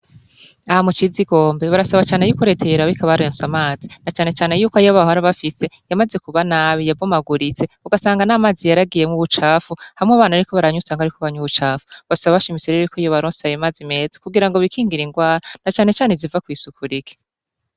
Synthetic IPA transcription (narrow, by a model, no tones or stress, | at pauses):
ahamut͡ʃiziɡo̞ːmbeβaɾasaβat͡ʃaːne̞juːkuɾetʰeeɾaβikʰaβaɾensamaːzinat͡ʃaːne̞t͡ʃaːne̞juːkoajoβahoaɾaβafise̞jamaze̞kuβanaːβijavomaɡuɾit͡se̞uɡasaːŋɡanaːmaːzijaɾaɡije̞mŋuβut͡ʃaːfuhaimŋeβaːnaɾiko̞βaɾaɲusaːŋɡaɾikoβaɲuβut͡ʃaːfu̥βasaβaβaʃimit͡seɾeikʰoijoβaɾoːnsajemaːzime̞ːzḁkuɡiɾaŋɡoβikiːŋɡiɾiŋɡwaːɾanat͡ʃaːne̞t͡ʃaːnezivakwiːsukʰuɾikʰe̥